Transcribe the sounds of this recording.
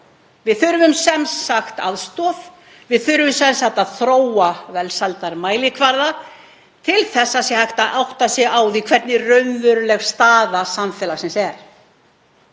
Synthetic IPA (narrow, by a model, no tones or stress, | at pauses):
vɪðθʏɾvʏmsɛmsaxt̪a̰ðst̪ɔf | vɪðθʏɾvʏmsɛnsaht̪aðθɾoːwavɛlsalt̪aɾmaːjlɪkʰvaɾða | t̪ʰɪlθɛsːasjɛhajht̪aʔawht̪asjɛɣaːwðikʰvɛɾt̪nɪrœɥnvʏɾlɛɣst̪aːðasamfɛːlaxsɛmsɛɾ̥